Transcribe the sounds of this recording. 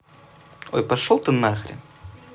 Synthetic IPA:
o̰jpɐʂolˠt̪ɨnaxɾʲɪ̰

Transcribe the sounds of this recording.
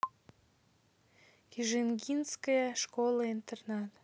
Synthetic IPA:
kʲiʒenɡʲinskəjəʃkolˠəint̪ernɑt̪

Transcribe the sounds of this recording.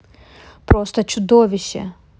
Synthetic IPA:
pɾɔst̪ɔt͡ʃʊd̪ɔʋʲiɕːɛ̰

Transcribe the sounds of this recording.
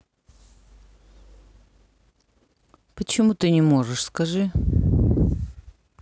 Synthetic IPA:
pət͡ɕɪmut̪ɨnʲɪmo̞ʐɨʂskɐʐɨ

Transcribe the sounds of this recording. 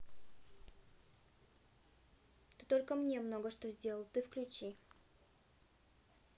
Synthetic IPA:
t̪ot̪o̞lʲkəmnʲemno̞ɡəʂt̪ozʲdʲe̞lˠəlˠt̪ɨfklʲʉt͡ɕi

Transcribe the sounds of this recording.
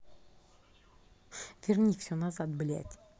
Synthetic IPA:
vʲernʲifsʲonɑzɑt̪̚bɪlḛt̪ʲ

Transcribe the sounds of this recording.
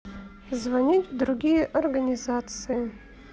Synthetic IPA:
zvanʲitʲvd̪ɾuɡʲijeʔorɡanʲizat̪sɨɪ

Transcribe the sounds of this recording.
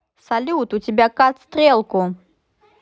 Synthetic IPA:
salʲut̪ut͡sʲɪbʲakat̪st̪ɾʲɛlˠkʊ

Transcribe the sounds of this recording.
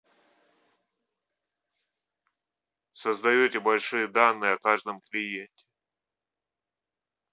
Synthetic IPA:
səzd̪ɐjɵtʲɪbɐlʲʂɨjəd̪anːɨjəɐkaʐd̪əmklʲɪjenʲt̪ʲɪ̥

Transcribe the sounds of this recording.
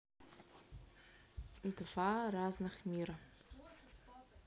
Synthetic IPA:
mt̪vaɾaznɨχmʲiɾɐ

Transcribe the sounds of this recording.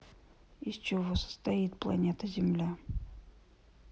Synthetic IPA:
isʲt͡ɕɪvosə̥st̪ɐit̪̚plˠɐ̰nʲet̪əzʲɪmlʲa

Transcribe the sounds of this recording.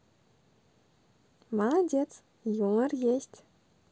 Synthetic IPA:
madʲet͡s | juŋə̆rjesʲtʲ

